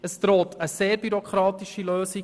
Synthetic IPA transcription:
əst̪ɾoːtʰəseːɾbyɾokχɾɑːtiʃiløːsi

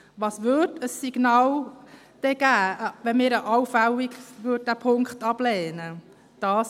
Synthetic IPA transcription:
ʋɑːsʋʏdəsːiɡ̥nɑːl | d̥ɛɡæːʋɛnmɪːɾəʔawfæliɡʋøːd̚d̥æːpʰʊŋkχtɑblɛːnə | d̥ɑːs

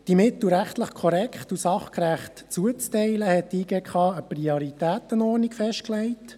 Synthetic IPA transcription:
d̥imɪt̪l̩ɾæχtləχkʰɔɾɛkχtusɑχkɾæχtt͡suət͡stɛɪləhɛtːiːɡeːkχɑːəpɾioɾitæːt̪ənɔɾnikfɛʃt̚klɛɪt

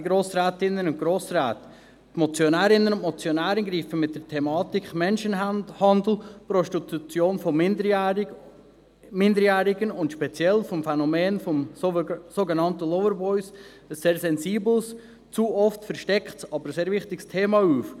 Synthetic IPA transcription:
ɡɾoːsɾæːtɪnːənʊntɡ̥ɾoːsɾæːtə | mɔt͡sjonæːɾɪnːənʊntmɔt͡sjonæːɾənɡɾiːfəmɪt̚d̥əɾtʰɛmɑːtikχmɛnʃənhɑndl̩pɾɔʃtit̪ut͡sjoːnfɔmdə | mɪndəɾjæːɾɪɡənʊntʃpɛt͡sjɛlfɔmfɛnɔmeːnfɔmsoɡɛnɑntəlɔwəɾbɔɪs | əseːɾsɛnziːbl̩s | t͡suːɔftfɛɾʃtɛkχtsɑbəɾseːɾvɪχtɪɡstʰeːmɑuːf

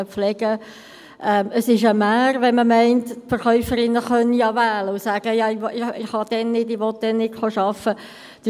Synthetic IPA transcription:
əflɛɡ̥ə | ʔɛməsɪʃəmæːrʋɛnməmɛɪntfəɾχœʏfəɾɪnːəχœnːijɑvæːləʊsæːɡ̥əjɑɪɪɪχhɑd̪̥ɛnːɪdɪʋɔt̚d̥̪ɛnːɪtχoʃɑfə | d̥

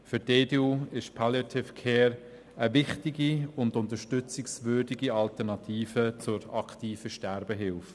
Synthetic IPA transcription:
fʏɾdedeuɪʃpʰɑljatʰɪfkʰɛːɾ | əvɪχtɪɡiʊndʊnt̪əʃtʏt͡sɪksvøːrdiɡiɑltəɾnɑt̪ʰiːfət͡sʊɾɑktiːfəʃtɛɾbəɦɪlf

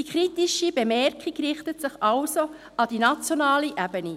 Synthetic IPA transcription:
ikχɾitiʃibemɛɾkʰikrɪχtətsɪχɑlso | ɑd̥inɑt͡sjonɑːliʔæbəni

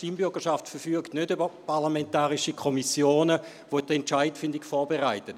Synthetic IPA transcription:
ʃtimbʏɐɡ̥əʃaftfɛɐfyəktnødybəpʰɑʁlamɛntaːʁiʃikʰɔmisjoːnə | vodɛnt͡ʃaɪtfɪndiɡfɔːɐbeʁaɪtət

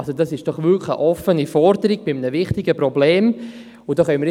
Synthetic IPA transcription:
sodɑsɪʃd̥ɔχʋʏkχə̰ʔɔfənifɔɾdəɾiɡ̚b̥ɪmənəvɪχtɪɡəprɔbleːm | ʊdoːχœnməɾ

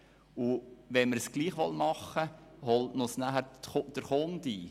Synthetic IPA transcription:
uʋɛnməɾsɡ̥liːχʋɔlmɑχːəhɔltnʊsnæɦæɾd̥əɾχond̪iː

